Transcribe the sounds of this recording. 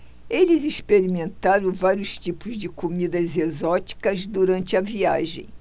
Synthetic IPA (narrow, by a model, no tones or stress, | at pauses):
elɪzispeɾimẽnt̪aɾɐ̃w̃vaɾjʊst͡ʃipʊzd͡ʒɪkomid̪ɐzezɔt͡ʃi̥kɐzd̪uɾɐ̃nt͡ʃɪɐvia̰ʒḛ̃j̃